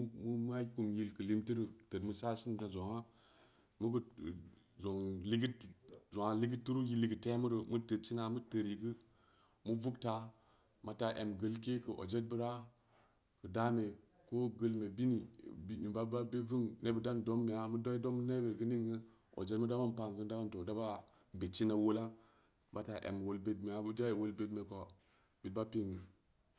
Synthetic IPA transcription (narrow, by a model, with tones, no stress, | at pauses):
mu˦m˦a˦ku˨mji˨lkə˨li˦mti˦ɾu˨tə˨tmu˦sa˦si˦n˨da˨zo˨ŋa˦ | mu˦ɡə˦˨ | zo˨ŋli˦ɡi˦tzo˨ŋa˨li˦ɡi˦tːu˦ɾu˦ji˦li˨ɡə˨te˦mu˦ɾə˨mu˦tə˨t͡ʃi˦na˨mə˦tə˨ɾji˨ɡɨ˦ | mu˦vu˦kta˨ | ma˨ta˨ʔḛ˨mɡə˦lke˦kə˨ʔo̰˨d͡ʒe˦t̚bə˦ɾa˦ | kɨ˨da˦me˨ | ko˦ɡə˦lme˨bi˦ni˨bi˦ni˨ba˦ba˦be˦vu˦ŋne˦bə˨da˦ndo˦mːe˨ja˦mu˦do˦i˦do˦m˦ne˦be˨ɡɨ˦ni˦ŋɡə˦ | o̰˨d͡ʒe˦tmu˦da˦ba˦m˨pa˨ŋkə˦nda˦ba˦nto˨da˦ba˦ | be˨t͡ʃi˦na˨wo˦la˦ | ba˨ta˨ʔḛ˨m˨wo˨lbe˦tme˨ja˦bu˦d͡ʒa˦˨wo˦lbe˦dme˨ko˨ | bi˨t̚ba˦pe˦ŋi˨